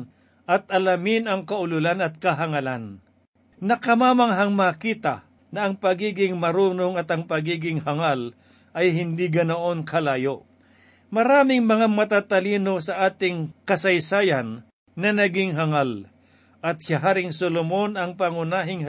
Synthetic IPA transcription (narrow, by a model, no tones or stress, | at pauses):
ʔɐt̪̚ʔɐlɐmɪnɐŋkɐʔʊlʊlanɐt̪̚kɐɦɐŋɐlan | nɐkɐmaːmɐŋɦɐŋmakiːt̪ɐ | nɐʔɐŋpɐɡiːɡɪŋmɐɾuːnoŋɐt̪ɐŋpɐɡiːɡɪŋhɐŋal | ʔɐjɦɪnd̪iɡɐnoʔonkʰɐlaːjoʔ | mɐɾaːmɪŋmɐŋamɐt̪aːt̪ɐliːno̞sɐʔaːt̪ɪŋkɐsɐjsaːjɐnː | ɐnɐɡɪŋɦɐŋal | ʔɐt̪̚sɪɦaːɾɪŋsolomo̞nɐŋpɐŋʊnaːɦɪŋ